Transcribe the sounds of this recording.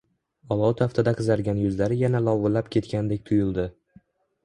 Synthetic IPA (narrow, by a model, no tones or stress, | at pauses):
ɒlˠɒwt̪ʰaft̪ʰad̪aqʰɨzaɾɡʲanjʊzlaɾɪjanalɒvɨlːapkʲʰe̞t̪kʲand̪ekʲt̪ʰʊjʊlˠd̪ɪ